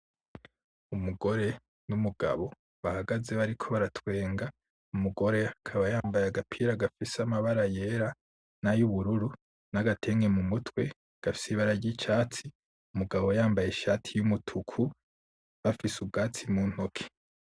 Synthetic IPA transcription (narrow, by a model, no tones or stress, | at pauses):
umuɡo̞ɾe̞ | numuɡ̥a̰βo̞ | βahaɡaze̞βaɾikʰo̞βaɾatʰwe̞ːŋɡa | umuɡo̞ɾe̞akʰaβajaːmbajaɡapʰiːɾaɡafisamaβaɾaje̞ːɾa | najuβuɾuɾu | naɡatʰe̞ŋɡe̞mumutwe̞ | ɡ̥afi̥siβaɾaɾɟit͡ʃaːt͡si | umuɡaβo̞jaːmbajeʃaːtʰijumutʰukʰu | βafisubɡaːt͡simuːn̥hokʰe̥